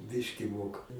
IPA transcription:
ˈbʲɪʃʲkʲɪ ˈmoːkɐ

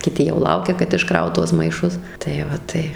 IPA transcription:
kʲɪˈtʲɪ jɛʊ ˈlˠɐʊkʲɛ kɐt ɪʃˈkrɐʊt ˈtuɔs mɐɪˈʃʊs tɐɪ ˈʋɐ ˈtɐɪ

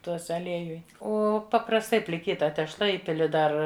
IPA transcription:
ˈtuɔsʲɛ ɐˈlʲiɛjʊj ˈoː pɐprɐsˈtɐɪ pʲlʲɪˈkʲiːtɐ tʲɛʃˈlˠɐ ˈiːpʲɪlʲɪ ˈdɐr

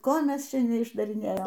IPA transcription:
ˈkoː ˈmʲɛs ˈt͡ʃʲɛ nʲɛɪʒdɐrʲɪˈnʲeːjoːm

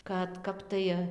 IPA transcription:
kɐt ˈkɐp tɐɪ

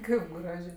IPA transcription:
ˈkɐɪp ˈɡrɑːʒʲeː

